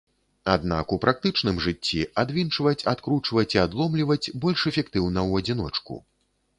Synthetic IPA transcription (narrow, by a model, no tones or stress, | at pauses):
ad̪̚na̰kupɾʔak̚t̪ɨt͡ʂnɨmʐɨt͡sʲːiad̪vʲint͡ʂvɐt͡sʲat̪kɾut͡ʂvɐt͡sʲiad̪lˠɔmlʲivɐt͡sʲbɔlʲʂɛfʲɛkt̪ɨwnɐwɐd͡zʲin̪ɔt͡ʂkṵ